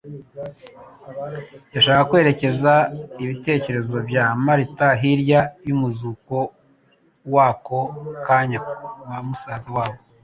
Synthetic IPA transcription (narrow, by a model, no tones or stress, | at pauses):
jaʃaːkakwe̞ːɾe̞ce̞zaiβite̞ːce̞ɾe̞zo̞bjaːmaɾitaɦiɾjajumuzuko̞ | waːko̞kaːɲakamusaːzawaːβo